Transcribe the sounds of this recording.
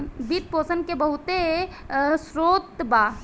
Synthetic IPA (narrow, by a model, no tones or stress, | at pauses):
bit̪̚poːsənkebəɦʊt̪e | sɾoːt̪ba